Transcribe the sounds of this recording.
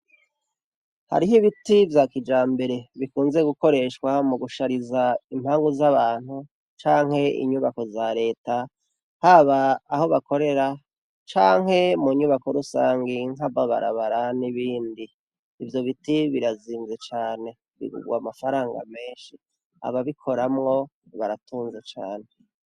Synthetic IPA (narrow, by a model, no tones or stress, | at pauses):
ha̰ɾiɦiβitivjakid͡ʒaːmbe̞ɾe̞βikuːnze̞ɡuko̞ɾe̞ʃkwamuɡuʃaɾizaim̥haːŋɡuzaβaːn̥hu | t͡ʃaːŋ̥he̞ḭɲuβako̞zaɾe̞ːta | haβaːho̞βako̞ɾe̞ɾa | t͡ʃaːŋ̥he̞muɲuβako̞ɾusaːŋɡiŋaβaβa̰ɾa̰βaɾaniβiːndiː | vjo̞βitiβiɾaziːnze̞t͡ʃaːne̞ | βḭɡṵɡwa̰mafaɾaːŋɡa̰me̞ːnʃi | a̰βaβikʰo̞ɾamŋo̞ | βaɾatuːnzet͡ʃa̰ːne̞